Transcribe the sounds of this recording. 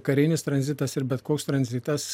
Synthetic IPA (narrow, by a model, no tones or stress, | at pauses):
kɐɾʲɪːnʲɪst̪ɾɐnʲzʲɪt̪ɐsɪɾbʲɛt̪koːkst̪ɾɐnʲzʲɪt̪ɐs